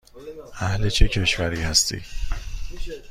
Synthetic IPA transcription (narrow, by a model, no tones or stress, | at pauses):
ʔæhlet͡ʃʰecʰe̞ʃvæɾiːhæst̪ʰḭː